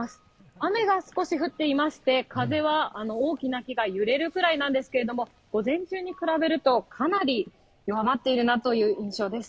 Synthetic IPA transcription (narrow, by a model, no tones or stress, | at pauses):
asɨ̥ | ame̞ɡasɨ̥ko̞ɕiɸɯ̟t̪ːe̞imaɕi̥t̪e̞kaze̞β̞aano̞oːkʲinakʲiɡajɯ̟ɾe̞ɾɯ̟kɯ̟ɾainãnd̪e̞sɨ̥ke̞ɾe̞d̪o̞mo̞ | ɡ̥o̞zẽ̞ɲ̟t͡ɕɨːɲ̟ikɯ̟ɾabe̞ɾɯ̟t̪o̞kʰanaɾʲi | joβamat̪ːe̞iɾɯ̟nat̪o̞jɯ̟ːĩɰ̃ɕo̞ːd̪e̞sɨ̥